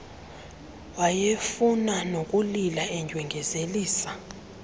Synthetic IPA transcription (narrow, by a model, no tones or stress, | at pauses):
wajefunanok̬ʼulilaɛɲd͡ʒʱwɛŋɡʱɛzeliːsḁ